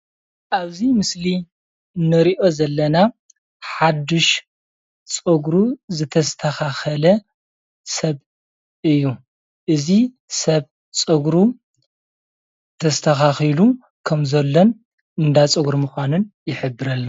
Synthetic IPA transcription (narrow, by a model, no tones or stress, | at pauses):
ʔaβzimɨsli | nɐɾiʔo̞zɐlːɐna | ħad̪ɨʃ | t͡sʼɨɡɾuzɨt̪ʰɐst̪ʰɐxaxɐlɐ | sɐβ | ʔɨjːu | ʔɨzi | sɐβ | t͡sʼɨɡɾu | t̪ʰɐst̪ʰɐxaxilu | kʰɐmzɐlːon | ɨnd̪at͡sʼɨɡɾmɨxʷanɨnjɪħɨbːɨɾɐlːa